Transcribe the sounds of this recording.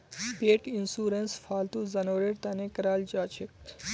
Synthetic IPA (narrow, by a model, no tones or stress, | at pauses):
beːʈinsuːɾensfʰaːlt̪uzɐnoːɾeɾt̪ɐnekɐɾaːld͡ʒaːt͡ʃʰik̚